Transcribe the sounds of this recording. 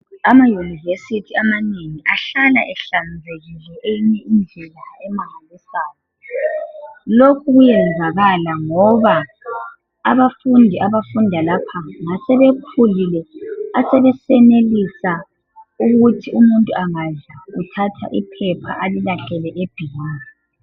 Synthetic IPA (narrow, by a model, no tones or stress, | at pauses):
amajunivesitʰiamaneŋiʔaɬalaʔɛɬand͡zʱeɣilɔʔejiɲɛind͡ɮʱɛlaɛmaŋalisaːjɔ | lokʰuɣujɛnd͡zʱaɣalaŋɔβaː | βafundʱiʔaβafundʱalapʰaŋasɛβekʰulilɛasɛβɛsɛnelisa | uɣutʰiumuntʼuaŋazautʰatʰa̰ʔḭpʰɛpʰa̰ʔalilaɬɛlɛʔeb̥ʱiɣaːni